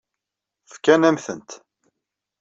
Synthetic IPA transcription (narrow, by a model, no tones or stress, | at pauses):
fkːænæmθə̰nt̪